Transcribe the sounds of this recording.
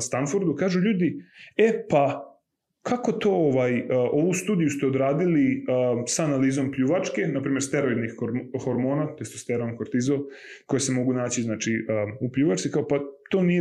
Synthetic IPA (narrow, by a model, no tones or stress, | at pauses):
st̪anfuɾd̪ukaːʒuʎuːd̪iepa | kʰako̞t̪o̞ːoʋajʔo̞ʋust̪uːd̪ijust̪eod̪ɾaːd̪iliəsaːnaliːzo̞mpʎuːʋat͡ʃke̞napɾiːmʲe̞ɾst̪eɾo̞id̪nixoɾxoɾmoːnat̪ojest̪ost̪eɾonkoɾt̪izo | ko̞jese̞mo̞ɡunaːt͡ɕiznaːt͡ʃiəupʎuːʋaʈ͡ʂt̪ikaopat̪o̞ːnije